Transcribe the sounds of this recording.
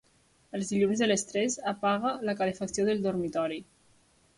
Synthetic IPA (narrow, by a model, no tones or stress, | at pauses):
əlˠzðiʎunzðələst̪ɾɛzapaɣələkalefəksioðəlˠd̪uɾmit̪ɔɾi